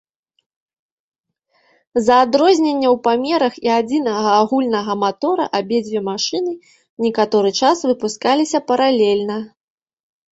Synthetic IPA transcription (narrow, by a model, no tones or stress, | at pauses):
zɐːd̪ɾɔzʲnʲenʲːɐwpamʲɛɾɐxiad͡zʲin̪ɐɣɐːɣulʲnɐɣɐmat̪ɔɾɐ̰ʔabʲɛd͡zʲvʲɛmaʂɨnɨ | nʲɛkat̪ɔɾɨt͡ʂasvɨpuskalʲisʲɐpɐɾalʲɛlʲnɐ